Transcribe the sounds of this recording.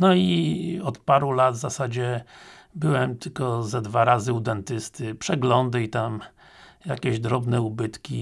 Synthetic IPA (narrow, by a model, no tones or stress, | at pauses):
nɔiɔt̪paɾulad̪vzasad͡ʑɛ | bɘwɛmt̪ɘlkɔzad̪vaɾazɘud̪ɛnt̪ɘst̪ɘpʂɛɡlɔnd̪ɘit̪am | jakʲɛʑd̪ɾɔbnɛubɘt̪kʲi